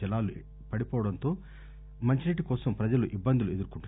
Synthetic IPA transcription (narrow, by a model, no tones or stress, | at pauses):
ilaːlu | pɐɽipɔːʋɐɽɐnt̪o̞ː | mɐɲt͡ʃineʈ̬ːikɔːsɐmpɾɐd͡ʒɐluʔibːɐnd̪ulue̞d̪uɾkuɳʈu